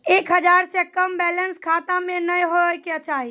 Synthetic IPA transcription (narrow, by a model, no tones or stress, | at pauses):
eːkɦəd͡ʒaːɾsekəmbɛːlənskʰaːt̪ãmẽnəjɦoket͡ʃaːɦi